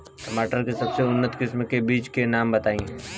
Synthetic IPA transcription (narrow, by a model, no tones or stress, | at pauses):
kɐmaːʈəɾkesɐbseʊnːət̪kɪsmkebiːt͡ʃkenaːmbɐt̪aːĩ